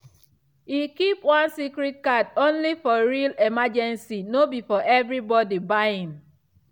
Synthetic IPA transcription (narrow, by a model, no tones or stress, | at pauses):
ikipwãnsikɾit̚kadõnlifɔɹilemad͡ʒɛ̃nsinobifɔʔɛvɹibɔdibaɪĩm